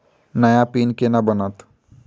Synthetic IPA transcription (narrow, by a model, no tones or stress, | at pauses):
nɐjapiːnkenabənat̪